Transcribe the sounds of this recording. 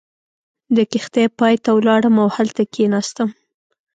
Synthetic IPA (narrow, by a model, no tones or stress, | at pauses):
d̪əkɪxt̪ejpɑjt̪awlɑɽəmawhalt̪akʰenɑst̪əm